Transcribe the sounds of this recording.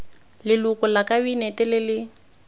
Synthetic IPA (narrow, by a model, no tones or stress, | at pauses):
lɪlʊkʊlakʼabinɛtɛlɪlɪ